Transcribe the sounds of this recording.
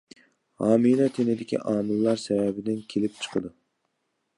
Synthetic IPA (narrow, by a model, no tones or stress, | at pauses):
hɑːmilɛt̪ʰenɪd̪ɪkʲʰḭʔɑːmɨlˠːɑɾsɛvɛbɪd̪ɪnkʲʰelɪp̚t͡ʃʰə̥qʰəd̪u